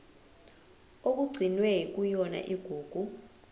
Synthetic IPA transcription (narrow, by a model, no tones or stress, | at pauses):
ok̬uɡ͡ǀʱinwɛik̬ujɔna̰ʔiɡ̥ʱuːɡ̥ʱu